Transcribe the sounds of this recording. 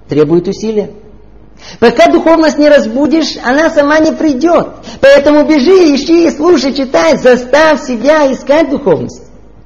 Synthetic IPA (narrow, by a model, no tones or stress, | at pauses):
t̪ɾʲe̞bʊjɪt̪ʊsʲilʲɪjə | pɐkad̪ʊxo̞vnəsʲtʲnʲɪɾɐzbudʲɪʂɐ̰nasɐmanʲɪpɾʲɪdʲot̪pɐɛt̪əmʊbʲɪʐɨɪɕiːslˠuʂəjt͡ɕɪt̪ajzɐst̪afʲsʲɪbʲaɪskat̚ʲd̪ʊxovnə̰sʲtʲ